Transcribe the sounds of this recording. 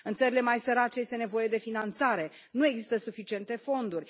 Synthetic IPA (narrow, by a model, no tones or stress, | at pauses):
ɨnt̪səɾile̞majsəɾat͡ʃeje̞st̪e̞ne̞vo̞je̞d̪e̞finant̪saɾe̞ | nue̞ɡzist̪əsufit͡ʃie̞nt̪e̞fo̞nd̪urʲ